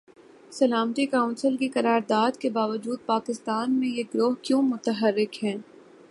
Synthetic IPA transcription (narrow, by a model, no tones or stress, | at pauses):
sɐlaːmt̪ikaʊ̃nsəlkikɐɾaːɾd̪aːd̪kebaːʋəd͡ʒuːd̪̚paːkɪst̪aːnmẽjeɡɾoːɦkjõːmʊt̪əɦəɾːɪkɦɛ̃ː